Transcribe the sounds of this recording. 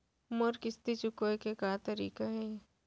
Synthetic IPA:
mɐɾkɪst̪it͡ʃʊkoekekat̪ɐɾiːkaɦɛ̃ː

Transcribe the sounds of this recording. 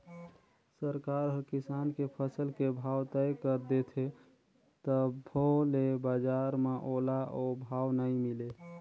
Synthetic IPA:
səɾkaɾɦəɾkisankepʰəsəlkebʱawt̪əjkəɾd̪et̪ʰe | t̪əbʱolebad͡ʒaɾmeʔolaobʱawnəimile

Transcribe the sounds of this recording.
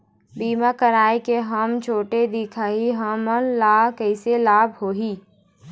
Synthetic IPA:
biːmakəɾaːikeɦəmt͡ʃʰoːʈed̪ikʰaiɦəmənlaːkəɪselaːbʱɦoːɦiː

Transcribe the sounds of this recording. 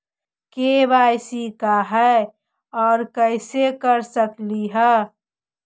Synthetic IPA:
kebaːjsikaɦɛe | ɔːɾkəɪsekəɾsəkliɦɛ

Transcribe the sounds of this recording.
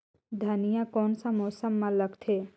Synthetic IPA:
d̪ʱənijãkɔːnsamoːsəmːãləɡt̪ʰeː

